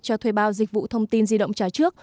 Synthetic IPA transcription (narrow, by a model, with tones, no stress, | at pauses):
t͡ɕɔ˧t̪ʰwe˧˩jɓaː˧wzï˨˩k̟̚vṵ˧˨t̪ʰə˧wŋ͡mt̪i˧nzi˧ɗə̰˧˨wŋ͡mt͡ɕaː˧˩t͡ɕɨ˦˥ək̚